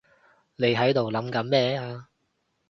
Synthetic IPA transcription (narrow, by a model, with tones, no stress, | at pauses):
ne˨˧jɦɐ˨˥jt̪o˨wlɐ˨˥mkɐ˨˥nmɛː˥aː˧